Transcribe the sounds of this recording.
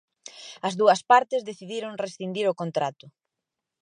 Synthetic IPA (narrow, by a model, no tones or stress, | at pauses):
ɐzðuɐspaɾt̪ɪzðeθiðiɾoŋresθind̪iɾʊkont̪ɾat̪ʊ